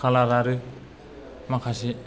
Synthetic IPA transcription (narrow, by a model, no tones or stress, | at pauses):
alaɾaɾɯ | makʰasi